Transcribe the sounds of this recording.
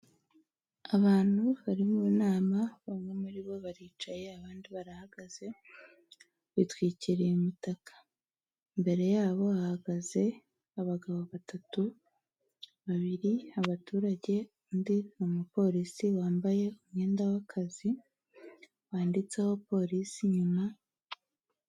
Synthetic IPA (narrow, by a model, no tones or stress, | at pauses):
aβaːn̥huβaɾimuːnaːmaβamŋe̞muɾiβo̞βaɾiːt͡ʃaje̞aβaːndiβaɾahaɡ̥az̥e̞ | βitwiːciɾejumitakḁ | mbe̞ɾe̞jaːβo̞ahaɡaze̞ | aβaɡaβo̞βatatu | βaβiɾiaβatuːɾaɟe̞ | undinomupo̞ɾisiwaːmbaje̞umŋe̞ːndawakʰazi | waːndit͡se̞ho̞po̞ːɾisiɲuma